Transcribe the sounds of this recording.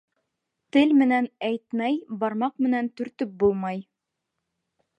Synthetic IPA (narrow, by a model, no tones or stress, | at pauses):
t̪ɘlmɘ̆nænæjt̪mæjbɑɾmɑqmɘ̆nænt̪ɵ̆ɾt̪ɵp̚bulˠmɑj